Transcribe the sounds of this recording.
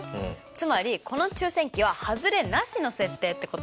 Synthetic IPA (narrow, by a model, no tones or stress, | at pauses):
t͡sɨmaɾʲikʰo̞no̞t͡ɕɨːsẽ̞ŋkʲiβ̞ahazɨɾe̞naɕino̞se̞t̪ːe̞ːt̪ːe̞ko̞t